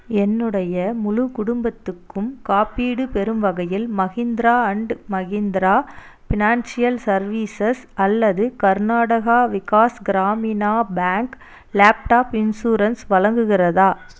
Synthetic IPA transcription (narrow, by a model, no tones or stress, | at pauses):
ɛnːɯɽɐjɐmʊlʊkʊɽʊmbɐt̪ːɯkːɯmkaːpːiːɽɯpɛɾɯmʋɐɣɐjɪlmɐɣind̪ɪɾaːɐɳɖɯmɐɣind̪ɪɾaː | fɪnaːnsɪjɐlsɐɾʋiːsɐsɐlːɐðɯkɐɾnaːɽɐɣaːʋɪkaːsɡɪɾaːminaːbaːŋk | laːp̚ʈaːpɪnsuːɾɐnsʋɐɭɐŋɡɯɣɪrɐðaː